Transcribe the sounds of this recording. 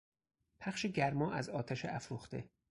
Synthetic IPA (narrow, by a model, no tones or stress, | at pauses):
pʰæχʃeɟæɾmɒːʔæzɒːt̪ʰæʃeʔæfɾuːxt̪ḛ